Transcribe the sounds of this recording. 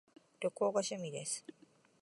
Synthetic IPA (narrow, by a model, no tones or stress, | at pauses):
ɾokːoːkaɕemid̪esɨ̥